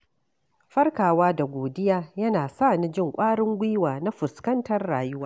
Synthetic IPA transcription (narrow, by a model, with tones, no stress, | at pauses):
ɸɐ˦rkaː˨waː˦da˨ɡʷoː˨dɪ˦jaː˦jɐ˦naː˨saː˦˨ni˦d͡ʒɪ˦˨ŋkʷʼaː˦ɽɪ˦ŋɡʷiː˦waː˨na˦ɸʊ˨skɐ˦ntɐ˦rːaː˨jʊ˦waː˦